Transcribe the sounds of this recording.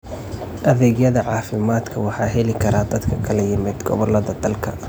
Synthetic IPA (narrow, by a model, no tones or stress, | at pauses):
ʔɐðɛɡjɐðɐʕɑːfɪmaːd̪kʰɐwɑħɑːɦɛlɪkʰɐɾaːd̪ɐd̪kʰɐkʰɐlɐjɪmɪd̪ɡɔ̰βɔlɐðɐd̪ɐlkʰɐ̰